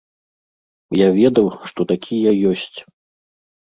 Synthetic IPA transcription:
javʲɛd̪ɐwʂt̪ɔt̪akʲʰijɐjɔsʲt͡sʲ

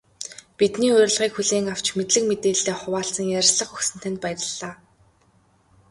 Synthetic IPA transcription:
pit̪niːʊɾ̆ʲɮʁiːkxuɮeːŋaw̥t͡ɕmet̪ɮɘ̆k̚met̪eːɮːeːχʊwaːɬt͡sə̆ŋjæɾʲɮə̆χɵxsɘ̆n̥t̪ʰænt̪̚pæjrə̆ɮːaː

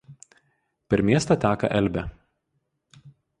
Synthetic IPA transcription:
pʲɛɾmʲiɛst̪ɐt̪ʲæːkɐ̰ʔɛlʲbʲɛ

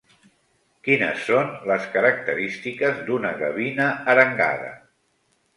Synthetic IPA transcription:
kinə̰sːonləskəɾək̚t̪əɾist̪ikəzd̪unəɣəβinəːɾəŋɡa̰ðə̰

